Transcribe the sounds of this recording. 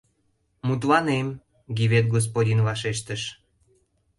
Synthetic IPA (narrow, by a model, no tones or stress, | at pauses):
mut̪lɑnem | ɡʲiβet̪̚ɡos̬podʲinvɑʃeʃt̪əʃ